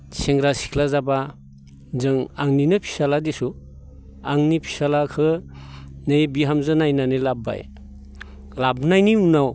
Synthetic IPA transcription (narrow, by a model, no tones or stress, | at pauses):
sʰeŋɾasi̥kʰlazaba | zɯŋaŋninɯpʰi̥saladesu | aŋnipʰi̥salakʰɯ | nejbiɦamzɯnajnanɯjlaba̰j | labnajniunaw